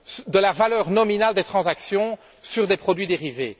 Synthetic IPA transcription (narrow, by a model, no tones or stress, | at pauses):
sd̪əlavalœːʁnɔminald̪et̪χɑ̃zaksjɔ̃ | syʁd̪epχɔd̪ɥid̪eʁivḛː